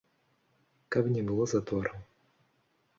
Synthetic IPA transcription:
kapnʲɛbɨlˠɔzat̪ɔɾɐm

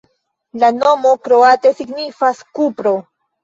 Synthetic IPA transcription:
lano̞mo̞kɾoat̪e̞siɡnifaskupɾo̞

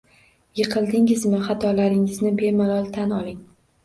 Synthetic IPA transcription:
jɨqʰɨlˠd̪ɪŋɪzmɪχɑt̪ʰɒlaɾɪŋɪznɪbe̞malɒlˠt̪ʰanɒlˠɪŋ

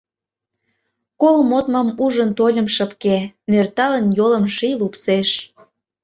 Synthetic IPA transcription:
kolmot̪mɑmuʒə̆nt̪olʲə̆mʃəpkenørt̪ɑlənjolə̆mʃijlupseʃ

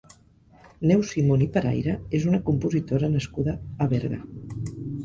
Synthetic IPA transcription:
nɛwsimonipəɾa̰jɾəezunəkumpuzit̪oɾənəskuðəːβɛɾɣə̰

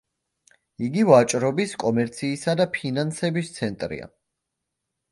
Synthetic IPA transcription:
iɡivat͡ʃʼɾɔbiskʼɔmɛɾt̪sʰiːsad̪apʰinansɛbist̪sʰɛnt̪ʼɾḭa̰

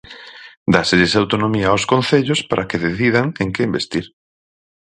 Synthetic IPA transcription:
d̪aseʎesawt̪onomiaoskonθeʎospaɾʔakeðeθiðaŋeŋkɪmbest̪iɾ

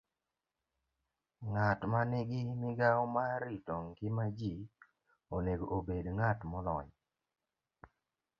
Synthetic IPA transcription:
ŋatmanɪɡɪmɪɡaɔmaɾitɔŋɡɪmad͡ʒi | oneɡoobedŋatmɔlɔɲ

